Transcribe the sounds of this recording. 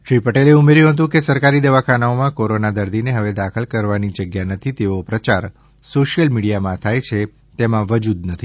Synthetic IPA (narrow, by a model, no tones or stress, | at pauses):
ʃɾipəʈeleumeɾjũɦət̪̬ũkesəɾkaɾid̪eʋakʰanaomãkoɾonad̪əɾd̪ineɦəʋed̪akʰəlkəɾʋanid͡ʒəɡjanət̪ʰit̪eopɾət͡ʃaɾ | soʃijəlmiɽijamãt̪ʰajt͡ʃʰe | t̪emãʋəd͡ʒud̪nət̪ʰi